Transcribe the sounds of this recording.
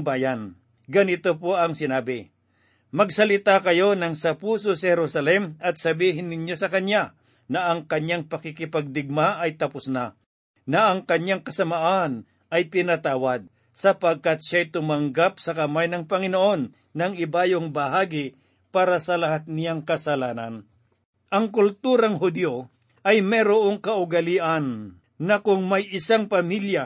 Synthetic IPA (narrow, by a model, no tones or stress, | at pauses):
baːjan | ɡɐnɪt̪opo̞ʔɐŋsɪnaːbɪ | mɐɡsɐlɪt̪akɐjo̞nɐŋsɐpuːso̞sɐhɛɾusɐlɛmɐt̪̚sɐbiːɦɪnːɪɲjo̞sɐkɐɲja | nɐʔɐŋkɐɲaŋpɐkɪkɪpaɡ̚d̪ɪɡ̚maʔɐjt̪ɐpʊsna | nɐʔɐŋkɐɲjaŋkɐsɐmaʔan | ɐjpɪnɐt̪aːwɐd̪̚ | sɐpɐɡ̚kat̪ʃajt̪ʊmɐŋɡapsɐkɐmajnɐŋpɐŋɪnoʔo̞nː | ɐŋɪbaːjoŋbɐhaːɡɪ | paːɾɐsɐlɐhat̪̚nɪjaŋkɐsɐlaːnɐ̰n | ʔɐŋkʊlt̪uːɾɐŋɦʊd̪jo | ʔɐjmɛɾoʔoŋkɐʔʊɡɐliːʔɐnː | ɐkʊŋmɐjʔɪsaŋpɐmilja